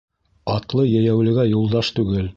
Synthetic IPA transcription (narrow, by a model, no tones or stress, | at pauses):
ɑt̪lˠɤjæjæwlɘ̆ɡæjulˠd̪ɑʃt̪ʉɡɘl